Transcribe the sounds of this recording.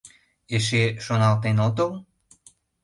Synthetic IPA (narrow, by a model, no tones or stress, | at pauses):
eʃ̬eʃonɑlt̪enot̪ol